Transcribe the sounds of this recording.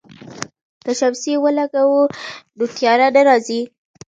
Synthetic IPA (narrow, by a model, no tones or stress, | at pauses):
kaʃawsiwəlaɡawud̪ut̪jɑɾad̪əɾɑzi